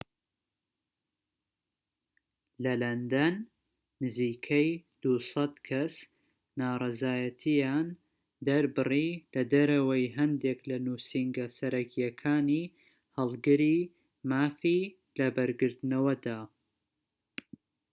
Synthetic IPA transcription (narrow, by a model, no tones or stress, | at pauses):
lɐlɐnd̪ɐnː | ɨziːkʰɐjd̪̥usɑd̪kʰɐs | naːrˤɑzaːjɐt̪ʰijaːn | d̪ɐɾbɨrilɐd̪ɐɾɐwɐjɦɐnd̪eklɐnuːsiŋɡɐsɐɾɐkijɐkʰaːniː | hɨlˠɡɨɾi | maːfi | lɐbɐɾɡɨɾt̪nɐwɐd̪aː